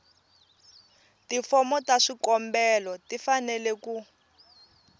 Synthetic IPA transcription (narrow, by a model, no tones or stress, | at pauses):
tifɔmɔtaʂikɔmbɛlɔtifanɛlɛku